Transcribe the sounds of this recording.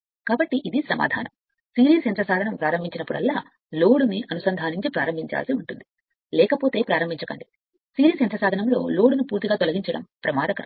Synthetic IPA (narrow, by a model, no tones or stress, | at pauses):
kaːbɐʈːiʔid̪isɐma̰ːd̪ʱa̰ːnɐm | siːɾiːsɛnt̪ɾɐsaːd̪ɐnɐmpɾaːɾɐmbʱiɲt͡ʃinɐpːuɽɐ̰lːaː | lo̞ːɽuniʔɐnusɐnd̪ʱaːniɲt͡ʃipɾa̰ːɾɐmbʱiɲt͡ʃa̰ːlsiuɳʈund̪i | lɛːkɐpoːt̪e̞ːpɾaːɾɐmbʱiɲt͡ʃɐkɐɳɖi | siːɾiːsɛnt̪ɾɐsaːd̪ʱɐnɐmlo̞ːlo̞ːɽunupuːɾt̪iɡaːt̪ɔlɐɡiɲt͡ʃɐɽɐ̰mpɾɐmaːɾɐkɐɾɐ